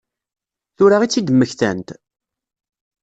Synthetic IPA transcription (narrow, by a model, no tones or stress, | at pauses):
θʊɾaʁit͡sːid̪əmːəçθæ̰nt̪